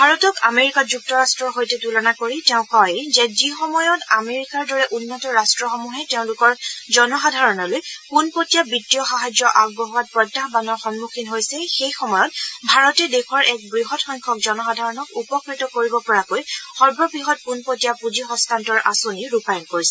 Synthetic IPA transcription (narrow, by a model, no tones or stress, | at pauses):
bʱaɹɔtɔkameɹikad͡ʒuk̚tɔɹastɹɔɹɦojtɛtulɔnakoɹitɛʊ̃kɔjzɛzixɔmɔjɔtameɹikaɹdɔɹɛʔunːɔtɔɹastɹɔxɔmuɦɛteʊ̃lʊkɔɹzɔnɔxadʱaɹɔnɔlojpunpotijabitːiɔxaɦajd͡ʒɔʔaɡ̚bɔɦuat̚pɹɔdaxbanɔɹxɔnmukʰinɦojsɛxejxɔmɔjɔt̚bʱaɹɔtɛdexɔɹʔɛk̚bɹiɦɔtxɔŋkʰɔk̚zɔnɔxadʱaɹɔnɔkupɔkɹitɔkoɹibɔpɔɹakojxɔɹbɹɔbɹiɦɔt̚punpotijapud͡ʒixɔ̃stʰantɔɹʔa̰soniɹupajɔnkoɹisɛ